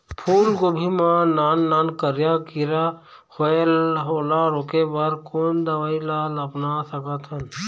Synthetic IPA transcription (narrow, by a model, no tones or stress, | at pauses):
pʰuːɾɡobʱimãnaːnːaːnkəɾjakiɾa | hoelɦoːlaɾoːkebəɾkoːnd̪əʋaːilaːləpnasəkət̪ʰən